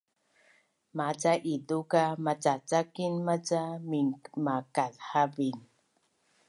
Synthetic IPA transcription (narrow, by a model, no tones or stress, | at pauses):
mat͡saʔidukamat͡sat͡sakinmat͡samiŋmakalhavin